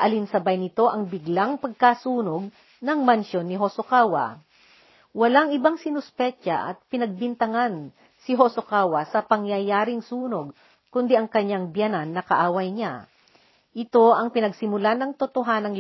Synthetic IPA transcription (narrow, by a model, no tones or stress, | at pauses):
ʔɐlinsɐbajnɪt̪o̞ʔɐŋbɪɡlaŋpɐɡ̚kasuːnoɡ̚ | nɐŋmɐnʃonːɪɦosokaːwɐ̰ | wɐlaŋʔɪbaŋsɪnʊspɛt͡ʃɐʔɐ̰t̪̚pɪnɐɡ̚bɪnt̪ɐŋan | sɪɦosokaːwɐsɐpɐŋjɐjaːɾɪŋsuːnoɡ | kʊnd̪iʔɐŋkɐɲːaŋbjɐnanːɐkɐʔaːwɐjɲa | ʔɪt̪o̞ʔɐŋpɪnɐɡsɪmʊlanɐŋt̪ot̪oɦaːnɐŋ